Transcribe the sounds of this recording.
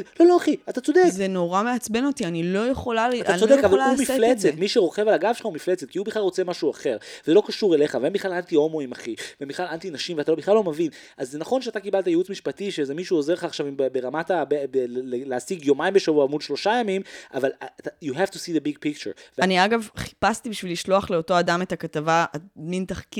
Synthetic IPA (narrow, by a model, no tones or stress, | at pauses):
lo̞loaχiat̪at͡so̞d̪ekzenoʁameat͡sbenot̪ianilo̞jeχolaat̪at͡ssod̪ekavalumiflet͡set̪miʃeʁo̞χe̞valaɡavʃelχaumiflet͡set̪̚kiubiχlalʁo̞t͡se̞maʃuaχe̞ʁvezelo̞kaʃuʁele̞χaveembiχlalant̪io̞moimaχivvembiχlalant̪inaʃimveat̪alo̞biχlalːo̞mevin | ʔazːenaχo̞nʃeat̪akibalt̪̬ajeut͡smiʃpatiʃezemiʃuozeleχaːχʃavimbebeʁamat̪abebelleleasiɡjomaimbeʃavuaamudʃlo̞ʃajamimʔa̰valatajuɦɛftusiðebiɡ̚pik̚t͡ʃeɾveaniaɡavχi̥past̪ibiʃviliʃlo̞aχleo̞to̞adame̞takatavaamintaχki